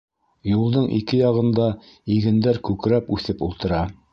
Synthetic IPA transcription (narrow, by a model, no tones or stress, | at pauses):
julˠd̪ɤɴʔḭkɘjɑʁɤ̆nd̪ɑ | iɡɘ̆nd̪æɾkʉkɾæpʉθɘpulˠt̪ɤ̆ɾɑ